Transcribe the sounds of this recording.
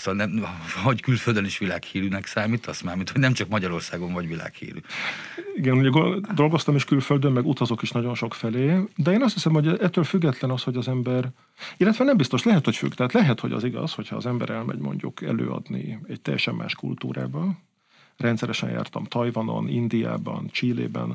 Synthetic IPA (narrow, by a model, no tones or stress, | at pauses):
sonɛmɦoɟkylføld̪øniʃʋilaːkhiːɾynɛksaːmiːt̪ɒsmaːmit̪ʰhoɟnɛmt͡ʃɒkmɒɟɒɾo̞rsaːɡo̞ɱvɒɟʋila̰ːkhḭːɾy̰ː | iɡɛnuɟɛɡod̪o̞lɡo̞st̪ɒmiʃkylføld̪ømːɛɡut̪ɒzo̞kiʃnɒɟo̞nʃo̞kfɛleːd̪ɛeːnɒst̪ʰisɛmhoɟɛɛt̪ːøːlfyɡːɛt̪lɛnɒsho̞ɟɒzɛmbɛr | ilːɛt̪ʋɛnɛmbist̪o̞ʃlɛɦɛt̪ho̞cfy̰kt̪ɛɦaːt̪lɛɦɛt̪ho̞̰ɟɒ̰ziɡɒ̰sho̞cʰhɒːzɛmbɛ̰ɾɛlmɛ̰ɟmo̞̰ɲɟukɛ̰lø̰ːɒ̰d̪nḭɛct̪ɛjːɛʃɛmːa̰ːʃkult̪ṵːɾa̰ːbɒn | rɛnt̪sɛɾɛʃɛ̰nja̰ːrt̪ɒmt̪ɒjvɒno̞̰nind̪ija̰ːbɒ̰nt͡ʃiːlḛːbɛ̰n